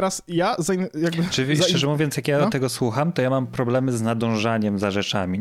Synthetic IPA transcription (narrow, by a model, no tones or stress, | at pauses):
ɾasjazaijaɡbɘt͡ʂɨvʲit͡ɕɛʐɛmuvʲjɔnsjakjat̪ɛɡɔswuxamt̪ɔjamampɾɔblɛmɘznad̪ɔ̃w̃ʐaɲɛmzaʐɛt͡ʂamʲi